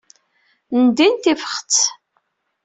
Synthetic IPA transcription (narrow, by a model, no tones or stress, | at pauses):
nd̪int̪ifə̥χt͡s